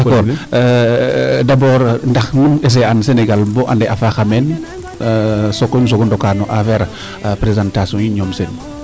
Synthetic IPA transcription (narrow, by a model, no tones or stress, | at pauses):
dakɔːɾ | dabɔːɾndɐxnumes̬eanseneɡalbɔʔandɛʔafaxamen | sokːons̬oɡɔndɔkanɔʔafɛɾ | pɾezantasiɔ̃njiɲɔmsen